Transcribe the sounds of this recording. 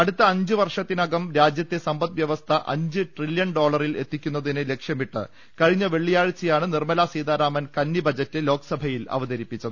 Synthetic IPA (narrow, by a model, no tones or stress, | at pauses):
ɐɽut̪ːɐːɲd͡ʑɨʋɐrʂɐt̪ːinɐɡɐmɾaːd͡ʑjɐt̪ːe̞sɐmbɐt̪ʋjɐʋɐst̪ʰɐʔɐ̰ɲd͡ʑɨʈriljɐɳɖo̞ːɭɐrile̞̰t̪ːikʲːunːɐðinɨle̞kʂjɐmiʈːɨ̰ | kɐɻiɲːɐʋe̞ɭːijaːɻt͡ɕːijaːɳɨnirmɐlaːsiːd̪aːɾaːmɐnkɐnːibɐd͡ʑɐtːɨlo̞ːkɐ̥sɐbʱɐjilɐ̰ʋɐðɐɾipːit͡ɕːɐðɨ